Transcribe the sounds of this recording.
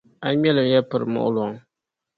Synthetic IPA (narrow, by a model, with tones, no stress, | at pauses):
a˦mɛ˦lɨ˨jɛ˦pɨ˨ɾmʊ̰˨ʔʊ˦lʊ˨ŋ